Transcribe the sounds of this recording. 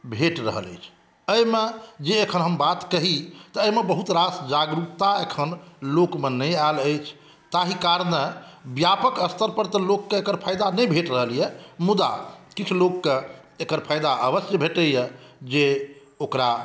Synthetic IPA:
bʱeʈɾə̰ɦə̰lə̰jt͡ʃʰ | əjmed͡ʒeːkʰənɦəmbat̪kəɦit̪əːjmebəɦut̪ɾasd͡ʒaɡɾuk̚t̪aekʰənlokmenəaləjt͡ʃʰ | t̪aɦikaɾnebjapəkəst̪ʰəɾpəɾt̪əlokːeekəɾpʰajd̪anəjbʱeʈɾəɦəljɛmud̪a̰kit͡ʃʰulokːe | ekəɾpʰajd̪aəbəsjəbʱeʈəjɛd͡ʒe | okɾa

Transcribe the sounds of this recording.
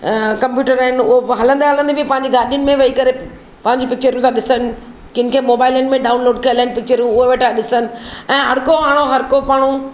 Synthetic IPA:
kɐ̃mpjuːʈəɾaːɦɪnʊɦoɦɐlə̃nd̪aɦɐlə̃nd̪ebʱipɐ̃ɦɪ̃ɲ̆d͡ʑiɡaːɾɗijʊnɪ̆mẽʋɐikɐɾe | pɐ̃ɦɪ̃ɲd͡ʑipɪk̚t͡ɕəɾijũt̪ʰãɗɪsənɪ̆ | kɪnkʰeːmoːbaːɪlənɪ̆mẽɗaːʊnloːɖkɐəlaːɦɪ̃npɪk̚t͡ɕəɾjũʊɦeʋeʈʰaɗɪsənɪ̆ɛ̃ːɦɐɽkoaːɽ̃oɦɐɾkopaːɽ̃ũ

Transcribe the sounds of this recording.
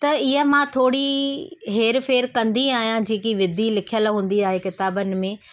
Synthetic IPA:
t̪ɐɪɦəmãt̪ʰoːɽiɦeːɾfeːɾkɐ̃nd̪iaːɦijãd͡ʑiːkiʋɪd̪ʱilɪkʰijəlɦũːn̆d̪iaːɦekɪt̪aːbənɪ̆mẽ

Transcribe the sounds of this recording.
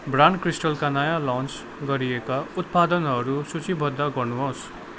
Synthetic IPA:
brankrisʈʌlkanʌjalãnt͡s | ɡʌɾiekaut̪̚pad̪ʌnɦʌɾusut͡sibʱʌd̪ːaɡʌrnuɦos

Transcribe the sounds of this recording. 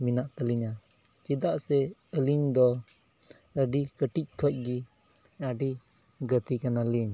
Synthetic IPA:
minaʔt̪əliɲa | t͡ʃid̪aʔsɛəliɲd̪ɔ | əɖikəʈic̚ˀkʰɔc̚ˀɡi | aɖi | ɡət̪ikanaliɲ

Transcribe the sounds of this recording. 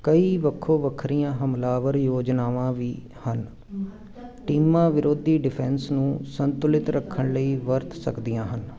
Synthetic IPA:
kəiːʋəkʰːoːʋəkʰɾijãːɦəmlaːʋəɾjoːd͡ʒnaːʋãːʋiː | hən | ʈiːmãːʋɪɾoːd̪iːɖɪpʰɛːnsnũːsənt̪ʊlɪt̪ɾəkʰːəɳləiːʋəɾt̪sə̰kd̪ɪjãːɦən

